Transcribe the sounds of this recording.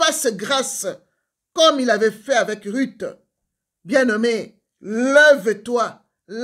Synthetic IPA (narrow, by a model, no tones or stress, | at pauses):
asəɡʁas | kɔmilavɛfɛavɛkʁyt̪ | bjɛ̃nɔme | llɛvət̪wa | l